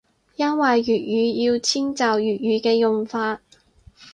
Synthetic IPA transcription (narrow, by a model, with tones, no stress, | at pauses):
jɐ˥nwɐ˨jːyː˨t̚jyː˨˧jiː˧wt͡sʰiː˥ŋt͡saː˨wjyː˨t̚jyː˨˧kɛː˧jʊ˨˩ŋfaː˧t̚